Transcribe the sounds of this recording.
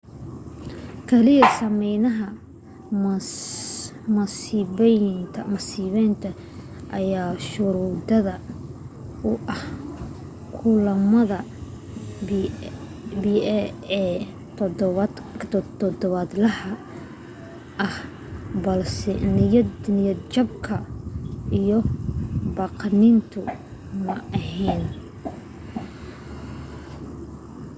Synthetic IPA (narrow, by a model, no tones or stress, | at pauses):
kʰɛlɪjɐsɐmɛjnɐɦɐ | mɐsiβɛnt̪ʰɐmɐsiːβɛjnt̪ʰɐ | ʔɐjaːʃʊɾud̪ɐðɐ | ʊʔɐh | kʰʊːlɐmɐðɐ | biɛɛ | t̪ʰd̪βʰ | t̪ʰɔd̪ɔβɐd̪lɐhɐ | ʔɐh | bɐlsɛnɪjɐnjɐt͡ʃɐb̚kʰɐ | ijɞ | bɑːqnint̪ʰʊ | mɐɐɦɛːn